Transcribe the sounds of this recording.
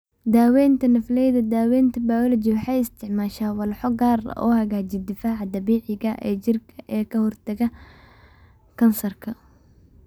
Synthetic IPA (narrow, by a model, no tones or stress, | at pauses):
d̪aːwɛːnt̪ʰɐnɐflɛjðɐd̪aːwɛːnt̪ʰɐbaːwlɐt͡ʃiwɑħɑjɪst̪ʰɪʕmaːʃaːwɑlħɔɡaːrɐ̰ʔɔ̰ːhɐɣaːt͡ʃɪd̪ɪfaːʕɑd̪ɐβiːʕɪɣɐʔɛːt͡ʃɪrkʰɐʔɛːkʰɐhɔrt̪ʰɐɣɐ | kʰɐnsɐrkʰɐ